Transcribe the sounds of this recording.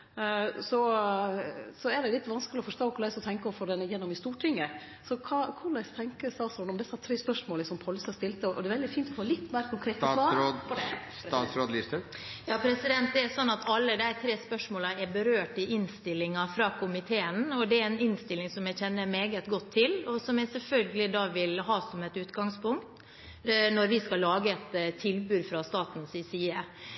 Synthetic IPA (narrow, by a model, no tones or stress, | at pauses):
sɔ | sɔɛɖɛlɪt̪ːʋɑnskəlɪɔfɔʂʈ̪oːkʰʊɾlæɪsɔt̪ʰɛŋkəɔfɔɖɛnːəjɛnːɔmɪst̪uːʈʰɪŋːə | sɔkʰɑːkʰʊɭlæɪst̪ʰɛŋkəst̪ɑːsɔːɖ̪ɔmd̪ɛsːəɑt̪ʰɾeːspœʂmoːlɪsɔmpʰɔlsɑst̪ɪlt̪əɔʔɔd̪ɛʋɛld̪ɪfiːnt̪ɔfoːlɪt̪ːmeːɾəkʰʊŋkʰɾeːt̪ɑ | ɑsɾoːd̪list̪əjɑːpʰɾɛsɪd̪ɛnt̪̚d̪ɛɾsɔnːɑt̪ʰɑlːəd̪æɪt̪ʰɾeːspœʂmoːləɛɾbəɾøːʈɪʔɪnst̪ɪlːɪŋɑfɾɑkʰʊmɪt̪ʰeːənɔd̪ɛæɾɛnɪnst̪ɪlːɪŋsɔmjæɪçɛnːəmeːɡət̪ɡɔt̪ʰːɪlɔsɔmjæɪsɛlfœlɡəlɪd̪ɑːʋɪlɦɑːsɔmɛt̪ʉːt̪ɡɑŋspʊŋkt̪ | nɔɾʋɪskɑlːɑːɡəɛt̪t̪ʰːɪlbʉːd̪fɾɑst̪ɑːt̪n̩sɪsiːə